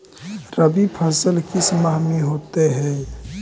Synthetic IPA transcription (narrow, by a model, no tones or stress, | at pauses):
ɾəbipʰəsəlkismaɦmiɦoːt̪eɦɛ